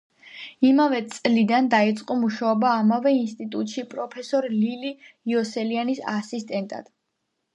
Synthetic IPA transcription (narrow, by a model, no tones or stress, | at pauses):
imavɛt̪sʼlid̪and̪ait̪sʼqʼɔmuʃaɔbaːmavɛinst̪ʼit̪ʼut̪ʼʃipʼɾɔpʰɛsɔɾliliiɔsɛlianisa̰sist̪ʼɛnt̪ʼa̰d̪̥